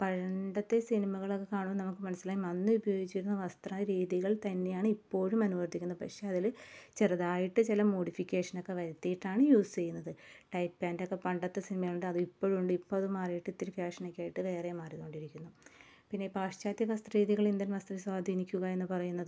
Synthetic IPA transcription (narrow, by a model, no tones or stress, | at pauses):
pɐɐɳɖɐt̪ːe̞sinimɐɣɐɭo̞kːe̞kaːɳuʋɐnɐmukːɨmɐnɐsːilaːjmɐnːɨubɐjo̞ːɡit͡ɕːiɾunːɐʋɐst̪rɐɾiːðiɣɐɭt̪ɐnːe̞jaːɳɨipːo̞ːɻumɐnuʋɐrt̪ʰikʲːunːɐɨpɐkʂe̞ɐðilt͡ɕerɐðaːjiʈːɨt͡ɕilɐmo̞ːɽifikʲːe̞ːʂɐno̞kːe̞ʋɐɾɐt̪ːijiʈːaːɳɨjuːst͡ɕe̞junːɐðɨʈɐjpːaːndokːe̞pɐɳɖɐt̪ːesinimɐɣɐɭuɳɖɨɐðɨipːo̞ːɻuɳɖɨipːoːɭɐðɨmaːrijiʈːit̪ːiɾifjaːʂɐnokʲːaːjiʈːɨʋe̞ːremaːrit̪o̞ːɳɖiɾikʲːunːu | pinːe̞paːʂt͡ɕaːt̪jɐkɐst̪rɐriːðiɣɐɭind̪inʋɐst̪rɐʋiswaːd̪ʱiːnikʲːuɣɐe̞nːɨpɐrɐjunːɐðɨ